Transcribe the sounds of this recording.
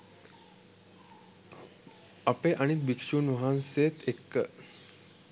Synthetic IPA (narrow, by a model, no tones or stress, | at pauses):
ɐpeːʔɐnit̪̚bikʂuːnʋɐɦanseːt̪ʰekːə